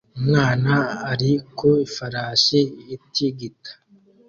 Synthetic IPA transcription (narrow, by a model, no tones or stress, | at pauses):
umŋaːnaːɾikʰoifaɾaːʃeitʰiɡitʰḁ